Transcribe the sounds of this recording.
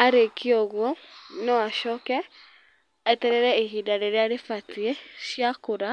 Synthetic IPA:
aɾekiɔɣwɔnɔwaʃɔkɛ | aetɛɾɛɾɛeɦidaɾeɾeaɾefatieʃjakoɾa

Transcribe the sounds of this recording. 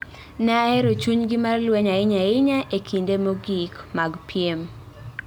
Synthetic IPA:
nɛɛɾot͡ʃuɲɡɪmarlwɛɲaɪɲaɪɲaʔekʰindemoɡikmaɡpʰjem

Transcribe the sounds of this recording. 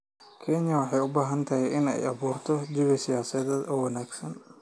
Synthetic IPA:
kʰɛɲjɐwɑħɑjʊbaːɦɐnt̪ʰɐɦɛʔɪnɛ̰jʔɐβuːrt̪ʰɔd͡ʒɪβɐsɪjaːsɐðɛːd̪ɔːwɐnaːɡsɐn

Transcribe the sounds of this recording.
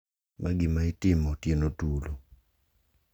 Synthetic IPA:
mʔaɡɪmaɪtɪmɔtjenotulo

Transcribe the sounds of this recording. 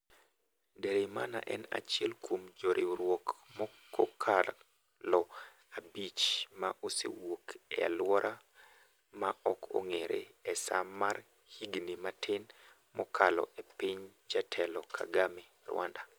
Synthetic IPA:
deɾemana̰ʔɛna̰t͡ʃɪɛlkwomd͡ʒoɾʔiɾwokmɔkːokʰa | lɔ | abit͡ʃmaʔosḛwokɛ̰a̰lwɔɾʔa | maɔkʰo̰ŋeɾḛɛsa̰mar | hiɡnimatʰɪn | mɔkʰalɔ̰ʔepiɲd͡ʒatʰɛlɔkʰa̰ɡame | rwa̰nda

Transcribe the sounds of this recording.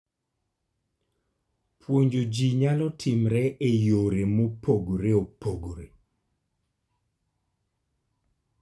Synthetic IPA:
pʰwoɲd͡ʒod͡ʒiɲalɔtʰɪmɾɛʔejoɾemopʰoɡoɾeopoɡoɾe

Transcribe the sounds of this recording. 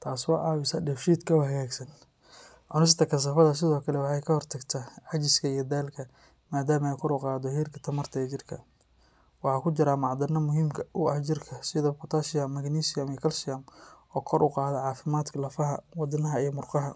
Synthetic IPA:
t̪ʰaːswɑːʔɑːwɪsɐɖɛfʃiːd̪kʰɐwɦɐɣɛːɡsɐn | ʕʊnɪs̬t̪ʰɐkʰɐs̬ɐfɐðɐs̬ɪðɔːkʰɐlɛwɑħɑjkʰɐhɔrt̪ʰɐɡt̪ʰaʕɑt͡ʃɪskʰɐijɔd̪aːlkʰɐ | maːd̪aːmɐɛjkʰɔɾʊqɑːd̪ɔhiːrkʰɐ̥t̪ʰɐmɐrt̪ʰɐɛt͡ʃɪrkʰɐ | wɑħɑːkʰʊt͡ʃɪɾaːmɑʕd̪ɐnɐmʊɦiːmkʰɐʔʊɐht͡ʃɪrkʰɐsɪðɐbʊt̪ʰaːʃɪjɐmːɐɡniːsɪjɐmijkʰɐlsɪjɐmɔːkʰɔɾʔʊqɑːðɛʕɑːfɪmaːd̪kʰɐlɐfɐɦɐwɑd̪ɪnɐɦɐijmʊrqɑɦɐ

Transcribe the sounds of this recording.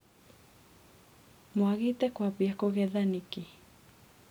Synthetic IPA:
moaɣit̪ɛkwapiakoɣɛðaniki

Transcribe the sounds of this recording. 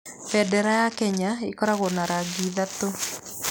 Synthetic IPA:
fɛdɛɾajakɛɲaikɔɾaɣonaɾaɡiðat̪o

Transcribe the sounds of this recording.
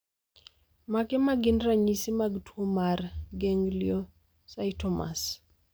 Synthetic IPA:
makɛmaɡɪnraɲisimaɡtʰwomarɡeŋljo | saitɔma̰s

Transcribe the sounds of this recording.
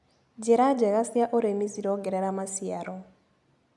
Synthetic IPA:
d͡ʒɛɾad͡ʒɛɣasjaʔɔɾemisiɾɔɡɛɾɛɾamasiaɾɔ

